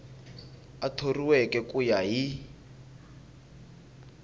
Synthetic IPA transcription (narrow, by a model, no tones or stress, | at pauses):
atʰoriwɛkʼɛkʼujaɦi